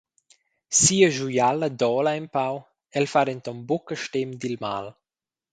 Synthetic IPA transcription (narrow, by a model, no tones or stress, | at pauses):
siːəʒujaləd̪ɔːlaɛmpaw | ɛlfaɾɛnt̪ɔmbukəʃtɛmd̪ilma̰l